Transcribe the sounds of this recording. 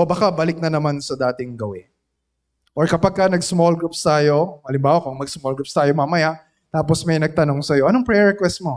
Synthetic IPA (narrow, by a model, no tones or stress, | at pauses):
ʔobakabɐlɪk̚nɐnɐmansɐd̪aːt̪ɪŋɡɐwɪ | ʔoɹkɐpaɡ̚kɐnɐɡsmolɡɹupst̪aːjo̞ʔɐlɪmbaːwɐkʊŋmɐɡ̚smolɡɾup̚st̪aːjo̞mamɐja | t̪aːposmɐjnɐɡ̚t̪ɐno̞ŋsɐjo̞ʔɐnoŋpɹɛɹɛkwɛst̪̚mo̞